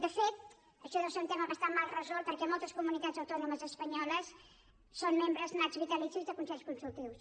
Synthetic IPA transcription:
d̪əfet̪̚ | əʃɔðoseunt̪eməkəst̪amalˠrəzɔlˠt̪pəɾkɛmɔlˠt̪əskumunit̪ad͡zəwt̪ɔnuməzəspəɲɔləsː | onmembɾəznazβit̪əlisuzðəkunsɛʎskunsulˠt̪iws

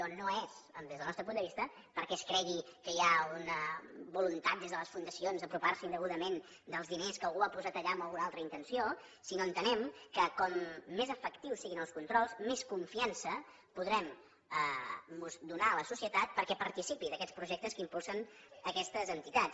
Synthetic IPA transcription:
ɾɔnoezəd̪ezðəlˠnɔst̪ɾəpund̪əβist̪ə | pəɾkɛskɾɛɣikəjaunəβulunt̪at̪̚d̪ezðələsfund̪əsionzəpɾuparsəind̪əɣuðəmen | d̪əlˠzðineskəlˠɣuapuzat̪əʎaəmbəlˠɣunalˠt̪ɾəint̪ənsio | sinoənt̪ənɛmkəkɔmːezəfəkt̪iwsiɣinəlˠskunt̪ɾɔlˠzmeskuɱfiansə | puðɾɛm | əːuzd̪unaləsusiət̪at̪̚pəɾkɛpəɾt̪isipiðəkɛt͡spɾuʒɛk̚t̪əskimpulˠsənəkɛst̪əzənt̪it̪at͡s

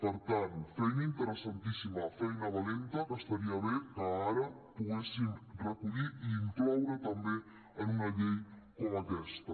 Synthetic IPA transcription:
pɐɾt̪anufɛjnɐint̪əɾəsant̪isimɐfɛjnɐβalent̪ɐɣast̪aɾiɐβeɾkaaɾɐpuɣɛsiŋrekuʎiiːŋklɔwɾat̪ɐmbe | ɐnuŋɐʎejkoɐkɛst̪ɐ

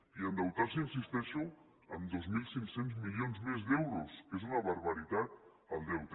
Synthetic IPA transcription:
iand̪awt̪asias̬ist̪ɛʃu | amd̪ozmilˠsiŋksenzmilonzmezðɛwɾuskezunaβaɾβaɾit̪at̪̚ | alˠd̪ɛwt̪

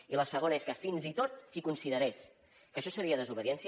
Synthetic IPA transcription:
iləsəɣ̞onəeskəfinzit̪ot̪̚ikunsiðəɾɛs | kəʃɔsəɾiəðəzuβəðiɛnsi

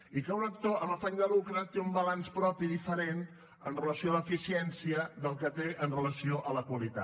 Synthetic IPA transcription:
ikəunəkt̪oʔəməfaɲd̪əlukɾət̪eumbəlanspɾɔpiðifəɾent̪ | ənrələsioələfisiɛnsiəd̪əlˠkət̪eʔənrələsioʔələkwəlit̪a̰

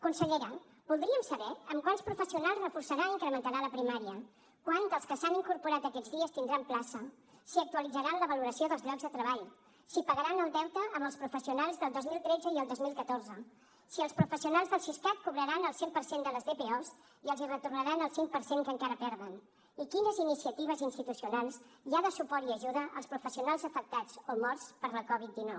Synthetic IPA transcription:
kunsəʎeɾə | bulˠd̪ɾiəmsəβɛəmkwanspɾufəsiunalˠzrəfursəɾaiŋkɾəmənt̪əɾaləpɾimaɾiə | kwant̪əlˠskəsaniŋkuɾpuɾat̪əkɛd͡zðiəst̪ind̪ɾamplasə | siək̚t̪uəlid͡zəɾanləβəluɾəsioðəlzlʎɔɡzðət̪ɾəβ̞aʎ | sipəɣəɾanəlˠd̪ɛwt̪əːməlˠspɾufəsiunalˠzðəlˠd̪ozmilˠt̪ɾɛd͡zəiəlˠd̪ozmilˠkət̪orzə | siəlˠspɾufəsiunalˠzðəlˠʃiskat̪̚kuβɾəɾanəlˠsempəɾsend̪ələzðepeɔz | iəlˠzirət̪urnəɾanəlˠsiŋk̚pəɾseŋkəŋkaɾəpɛɾðən | ikinəzinisiət̪iβ̞əzinst̪it̪usiunalˠs | ʒaðəsupɔɾiəʒuðəʔə̰lˠspɾufəsiunalˠzəfək̚t̪ad͡zomɔrspəɾləkɔβ̞it̪̚d̪inɔw

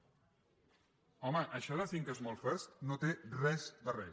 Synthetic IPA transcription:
ɔməʔəʃɔðəθiŋkezmolˠfɛɾst̪not̪erɛzd̪ərɛ̰

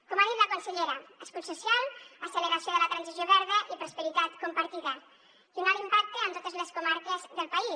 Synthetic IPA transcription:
komaðit̪ləkunsəʎeɾəəskut̪susijalˠəsələβɾasioðələt̪ɾansizjoβɛɾð̞əʔipɾuspəɾit̪at̪kumpɐɾt̪iðə | kimalimpak̚t̪əːnt̪ot̪əzləskumaɾkəzðəlˠpai

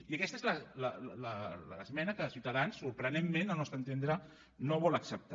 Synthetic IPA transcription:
iəkɛst̪əezlələllələzmɛnəkəsiwt̪əðansːuɾpɾənemmenanɔst̪ənt̪end̪ɾə | noβɔləksəp̚t̪

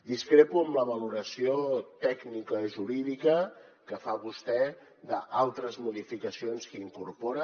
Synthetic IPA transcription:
d̪iskɾepuəmləβ̞əluɾəsiot̪ɛɡnikəʒuɾiðikə | kəfaβust̪ɛ | d̪əʔalˠt̪ɾəzmuðifikəsionskəiŋkuɾpoɾə

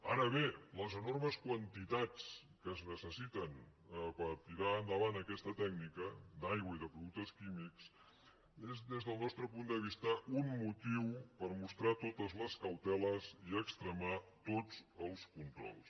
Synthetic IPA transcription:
a̰ɾəβeləzənorməskwənt̪it̪at͡s | kəznəsəsit̪ənəpəɾt̪iɾaənd̪əβ̞anəkɛst̪ət̪ɛɡ̚nikəd̪ajɣwəiðəpɾuðuk̚t̪əskimiks | ezðezðəlˠnɔst̪ɾəpund̪əβ̞ist̪əʔunmut̪iwpəɾmust̪ɾat̪ot̪əzləskəwt̪ɛləziəkst̪ɾəmat̪od͡zəlˠskunt̪ɾɔ̰lˠs

